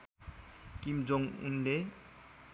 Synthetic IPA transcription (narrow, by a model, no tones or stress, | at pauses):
kimd͡zoŋṵnde